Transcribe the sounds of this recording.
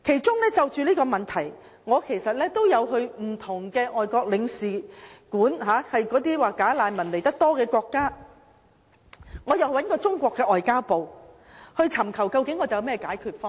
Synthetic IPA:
kʰe˨˩jt͡ʃʊ˥ŋlɛː˥t͡sɐ˨wt͡ʃyː˨liː˥kɔː˧mɐ˨nt̪ʰɐ˨˩j | ŋɔː˨˧kʰe˨˩jsɐ˨t̚lɛː˥t̪o˥wjɐ˨˧wɦɵ˧ɥm̩˨˩t̪ʰʊ˨˩ŋkɛː˧ʔɔː˨jkɔː˧k̚lɪ˨˧ŋsiː˨kuː˨˥nɦaː˨˧˥hɐ˨jkɔː˨˥t̪iː˥waː˨˧kaː˨˥laː˨˧nmɐ˨˩nle˨˩jt̪ɐ˥k̚t̪ɔː˥kɛː˧kʷɔː˧kːaː˥ | ŋɔː˨˧jɐ˨wwɐ˨˥nkɔː˧t͡sʊ˥ŋkʷɔː˧kːɛː˧ʔɔː˨jkaː˥wpo˨w | hɵ˧ɥt͡sʰɐ˨˩mkʰɐ˨˩wkɐ˧wkɪ˨˥ŋːɔː˨˧t͡sɐ˨˧jɐ˨˧˦mɛː˥kaː˨˥jkʰyː˧t̚fɔː˥ŋ

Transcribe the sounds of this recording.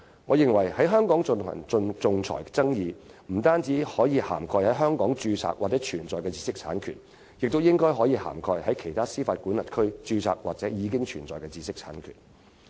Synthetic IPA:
ŋɔː˨˧jɪ˨ŋwɐ˨˩jhɐ˨˥jɦœː˥ŋkɔː˨˥ŋt͡sʊ˧nʰɐ̰˨˩ŋ˧nt͡sʊ˧ŋt͡sʰɔ̰ː˨˩jt͡sɐ˥ŋjiː˧ | m̩˨˩t̪aː˥nt͡siː˨˥hɔː˨˥jiː˨˧ha̰ː˨˩mkʰɔː˧jhɐ˨˥jɦœː˥ŋkɔː˨˥ŋt͡ʃyː˧t͡sʰa̰ː˧˥k̚waː˨t͡sɛː˨˥t͡ʃʰyː˨˩nt͡sɔː˨jkɛː˧t͡si̥ː˧sɪ˥k̚t͡sʰaː˨˥nkʰyː˨˩n | jɪ˨k̚t̪o˥wjɪ˥ŋkɔː˥jɦɔː˨˥jiː˨˧ha̰ː˨˩mkʰɔː˧jhɐ˨˥jkʰe˨˩jt̪ʰaː˥siː˥faː˧t̚ku˨˥nlɐ˨t̚kʰɵ˥ɥt͡ʃyː˧t͡sʰa̰ː˧k̚waː˨k̚t͡sɛː˨˥jiː˨˧kɪ˥ŋt͡ʃʰyː˨˩nt͡sɔː˨jkɛ˧t͡siː˧sɪ˥k̚t͡sʰaː˨˥nkʰy̰ː˨˩n

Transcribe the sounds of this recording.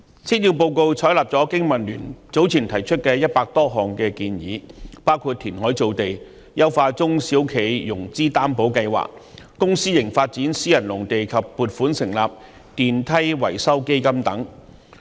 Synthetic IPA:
t͡sʰiː˥t̚jiː˧wpo˧wko˧wt͡sʰɔː˨˥jlaː˨˩p̚t͡sɔː˨˥kɪ˥ŋmɐ˨˩nlyː˨˩nt͡so˨˥wt͡sʰiː˨˩nt̪ʰɐ˨˩jt͡ʃʰɵ˥t̚kɛː˧jɐ˥t̚paː˧k̚t̪ɔː˥ɦɔː˨ŋkɛː˧kiː˧njḭː˨˥paː˥wkʰuː˧t̚t̪ʰiː˨˩nɦɔː˨˥jt͡so˨wt̪e˨˩j | jɐ˥wfaː˧t͡sʊ˥ŋsiː˨˥wkʰe˨˩jjʊ˨˩ŋt͡siː˥t̪aː˥mpo˨˥wkɐ˧jwa̰ː˨k̚kːʊ˥ŋsiː˥jɪ˨˩ŋfaː˧t̚t͡siː˨˥nsiː˥jɐ˨˩nlʊ˨˩ŋt̪e˨jkʰɐ˨pːuː˨t̚fuː˨˥nsɪ˨˩ŋla̰ː˨p̚ | t̪iː˨nt̪ʰɐ˥jwɐ̰˨˩jsɐ˥wke˥jkɐ˥mt̪ɐ̰˨˥ŋ

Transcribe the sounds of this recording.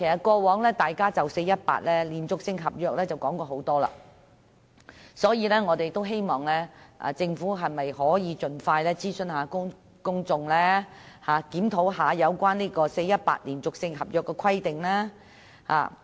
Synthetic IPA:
kʰe˨˩sɐ˨t̚kɔː˧wɔː˨˥ŋlɛː˥t̪aː˨jkaː˥t͡sɐ˨wse˧jːɐ˥t̚pa̰ː˧t̚lɛː˥liː˨˩nt͡sʊ˨k̚sɪ˧ŋɦɐ˨p̚jœː˨˧k̚lɛː˥t͡sɐ˨wkɔː˨˥ŋkɔː˧ɦo˨˥wt̪ɔː˥la̰ː˧ | sɔː˨˥jiː˨˧lɛː˥ŋɔː˨˧t̪e˨jt̪o˥wɦe˥jmɔː˨ŋlɛː˥ʔa̰˨˩t͡sɪ˧ŋfuː˨˥ɦɐ˨jmɐ˨jhɔː˨˥jiː˨˧t͡ʃɵ˧nfaː˧jlɛː˥t͡siː˥sɵ˨˧nɦaː˨˥kʊ˥ŋ | kʊ˥ŋt͡sʊ˧ŋlɛː˥haː˨kiː˨˥mt̪ʰo˨˥wɦaː˨˧jɐ˨˧wkʷaː˥nliː˥kɔː˧se˧jɐ˥t̚pa̰ː˧t̚liː˨˩nt͡sʊ˨k̚sɪ˧ŋɦɐ˨p̚jœː˨kːɛ˧kʰɐ˥jt̪ɪ˨ŋlaː˥ | ha̰ː˨˩

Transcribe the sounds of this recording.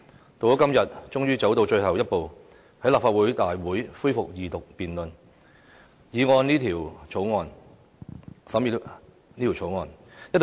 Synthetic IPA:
t̪o˨˧ɔ˨˥kɐ˥mjɐ˨t̚t͡ʃʊ˥ŋjyː˥t͡sɐ˨˥wt̪o˧wt͡ʃɵ˧ɥhɐ˨wjɐ˥t̚po˨˧w | hɐ˨˥jlaː˨pfaː˧t̚wuː˨˥jt̪aː˨jwuː˨˥jfuː˥jfʊ˨k̚jiː˨t̪ʊ˨k̚piː˨˩nlɵ˨n | jiː˨˧ŋɔː˧nniː˥t̪ʰiː˨˩wt͡sʰo˨˥wŋɔː˧n | sɐ˨˥mjiː˨ | niː˥t̪ʰwt͡ʃʰo˨˥wŋɔː˨˧njɐ˥t̚t

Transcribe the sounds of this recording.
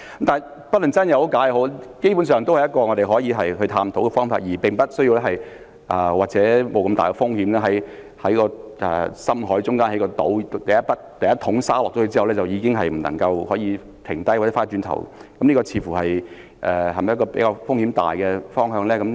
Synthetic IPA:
ɐ˦˥mt̪aː˨˩j | pɐ˥lɐ˨˩ŋt͡sɐ˥njɐ˨˧who˨˥wkaː˨˥jɦo˨˥wke˥jp̬uː˨˥ns̬œː˨˩ŋt̪o˥whɐ˨jɐ˥tkɔː˧ŋɔ˨˧t̪e˨jɦɔː˨˥jiː˧ɦɐ˨jɦɵ˧ɥt̪ʰaː˧mt̪ʰo˨˥wkɛ˧fɔː˥ŋfaː˧t̚jiː˨˩pɪ˨˩ŋpɐ˥t̚sɵ˥ji˧wlɛ˥ɦɐ˨j | ʔɐ˨waː˨k̚t͡sɛː˨˧˥mo˨˧wkɐ˧mt̪aː˨jkɛ˧fʊ˥ŋhi˨˥mlɛː˥ɦɐ˨˥j | hɐ˨˥jkɔː˧ʔɛ̰ː˨sɐ˥mɦɔː˨˥jt͡ʃʊ˥ŋkaː˥nhɐ˨˥jkɔː˧t̪o̰˨˥w̪t̪ɐ˨˩jɐ˥t̚pɐ˥t̚t̪ɐ˨jɐ˥t̪ʰʊ˨˥ŋsaː˥lɔː˨k̚ɔ˧˥ɵ˧t͡si˥hɐ˨wlɛː˥t͡sɐ˨wjiː˨˧kɪ˥ŋɦɐ˨jm̩˨˩lɐ̰˨˩ŋkɐ˧whɔː˨˥jiː˨˧ | t̪ʰɪ˨˩ŋt̪ɐ˥jwa˨˩t͡sɛ˧˦faː˥t͡ʃyː˧nt̪ʰɐ̰˨˩wkɐ˨˦mniː˥kɔ˧t͡sʰiː˧˥fuː˨˩hɐ˨j | ʔɛː˨ɦɐ˨˩m˨jkɔː˧pḛ˨˥jkaː˧fʊ˥ŋhi˨˥mt̪a̰ː˨jkɛ˧fɔː˥ŋɦœː˧ŋlɛː˥kɐ˨˥m

